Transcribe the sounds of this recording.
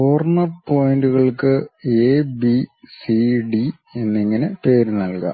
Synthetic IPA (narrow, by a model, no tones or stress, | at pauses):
oːrnɐrpo̞ːjinduɣɐɭkɨebisiɖi | e̞nːiŋːɐnepe̞ːɾɨnɐlka̰